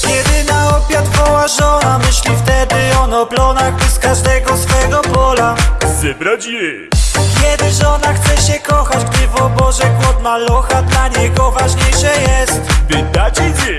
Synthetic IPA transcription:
jʲɛd̪ɘnaɔpʲjat̪fɔwaʐɔnamɘɕlʲift̪ɛd̪ɪɔnɔplɔnaɣbɛskaʐd̪ɛɡɔsfɛɡɔbɔlazɛbɾad͡ʑimɪ | kʲɛd̪ɘʐɔnaxt̪sɛɕɛkɔxad͡ʑɡd̪ɘvɔbɔʐɛkwɔt̪malɔxad̪laɲɛɡɔvaʐɲejʂɛjɛst̪pɪd̪at͡ɕit͡ɕɛ

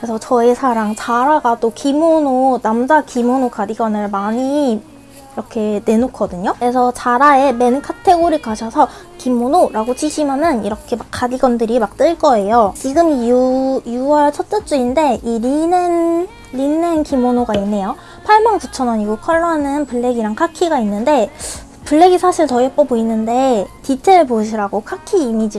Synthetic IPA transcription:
kɾesʰʌt͡ɕʌisʰaɾaŋt͡ɕaɾaɡat͈okimononamd͡ʑakimonokadiɡʌnɯɭmaɲi | iɾʌkʰe̞ne̞nokʰʌdɯɲoɾesʰʌt͡ɕaɾae̞me̞nkʰatʰe̞ɡoɾikaɕʰʌsʰʌ | kimonoɾaɡot͡ɕiɕʰimjanɯniɾʌkʰe̞mak͈ːadiɡʌndɯɾimak̚t͈ɯɭk͈ʌe̞jot͡ɕiɡɯmujuʌɭt͡ɕʰʌt͈ɯt͡ɕ͈uinde̞iɾinen | ɾinenkimonoɡainːe̞jo | pʰaɭmaŋkut͡ɕʰʌnaɲiɡokʰʌɭːʌɦanɯnpuɭːe̞ɡiɾaŋkʰakʰiɡainːɯnde̞ | puɭːe̞ɡisʰaɕʰiɭtʌep͈ʌboinːɯnde̞tit͡ɕʰeɯɭpoɕ̬ʰiɾaɡokʰakʰiːmid͡ʑi

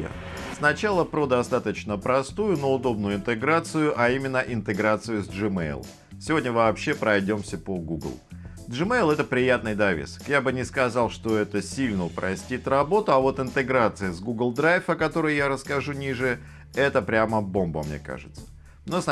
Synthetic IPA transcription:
snɐt͡ɕalˠəpɾod̪ɐst̪at̪ət͡ɕnəpɾɐst̪ujʊnoʊd̪o̞b̚nʊjʊɪnt̪ɨɡɾat̪sɨjʊʔɐimʲɪnːəʔɪnt̪ɨɡɾat̪sɨjʊzʲʐɨmḛjl̰ˠ | sʲɪvo̞dʲnʲəvɐːpɕːe̞pɾɐjdʲo̞msʲəpoɡuɡlˠ | ʐɨmejlˠɛt̪əpɾʲɪjat̪nɨjd̪ɐvʲḛsə̥kjabɨnʲɪskɐzɑlˠʂt̪o̞ɛt̪əsʲilʲnəʊpɾɐsʲtʲit̪rɐbo̞t̪ʊɐvo̞t̪ɪnt̪ɨɡɾat̪sɨɪzɡuɡlˠd̪ɾajfəkɐt̪o̞ɾɨjjaɾəskɐʐunʲiʐɨjə | ɛt̪əpɾʲaməbo̞mbə̰mnʲe̞̰ka̰ʐɨt̪sə̥ | nos

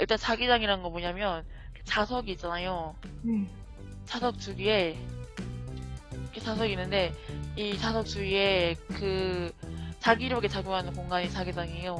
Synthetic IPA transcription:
iɭt͈ant͡ɕaɡid͡ʑaŋiɾannɡʌmoɲamjʌn | et͡ɕasʰʌɡiːt̚t͡ɕ͈anajo | t͡ɕʰasʰʌk̚t͡ɕ͈uɡie̞ | kʰet͡ɕʰasʰʌɡinːɯnde̞it͡ɕasʰʌk̚t͡ɕ͈uɡie̞kɯ | t͡ɕaɡiɾʌkʰe̞t͡ɕaɡjoŋɦanɯnkoŋɡaɲit͡ɕaɡid͡ʑaŋijo

